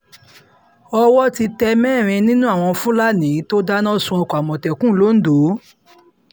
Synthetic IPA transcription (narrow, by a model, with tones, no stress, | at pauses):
ɔ˧wɔ˦ti˧tɛ˧mɛ̃ː˦˨ɾ̃ĩ˧nĩ˦nũ˦a˦˨w̃ɔ̃˧fũ˦la˦nĩ˨˦to˦da˦nã˦˨sũ˧ɔ˧kɔ˨a˨mɔ̃˨tɛ˨kũ˦lo˨˦n̩˦do˨˦